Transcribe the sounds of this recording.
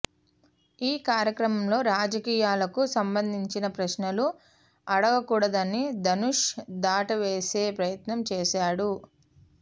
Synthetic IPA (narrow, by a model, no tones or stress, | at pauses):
iːkaːɾjɐkɾɐmɐmlo̞ːɾaːd͡ʒɐkiːjaːlɐkusɐmbɐnd̪ʱiɲt͡ʃinɐpɾɐʃnɐlu | ɐɽɐɡɐkuːɽɐd̪ɐnːid̪ɐnuʂd̪aːʈɐʋeːse̞ːpɾɐjɐt̪nɐmt͡ʃeːʃaːɽu